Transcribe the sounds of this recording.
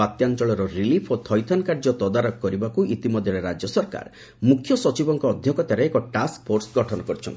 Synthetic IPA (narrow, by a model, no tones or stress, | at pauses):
at̪jant͡ʃɔɭɔɾɔɾilipʰot̪ʰɔjt̪ʰɔnkaɾd͡ʒɔt̪ɔd̪aɾɔkkːɔɾibakuʔit̪imɔd̪ʱjɔɾeɾad͡ʒjɔsɔɾka̰ɾ | mukʰjɔsɔt͡ʃibɔŋkɔːd̪ʱjɔkɔt̪jaɾeekɔʈask̚pʰoɾsɡɔʈʰɔnɔkɔɾit͡ʃʰɔ̰nt̪i